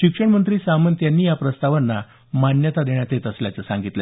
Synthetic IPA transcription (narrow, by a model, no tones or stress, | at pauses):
ɕikʂəɳmənt̪ɾiːsamənt̪janːiːjapɾəst̪aʋənːa | manjət̪ad̪eɳjat̪et̪əsljat͡səsaŋɡit̪le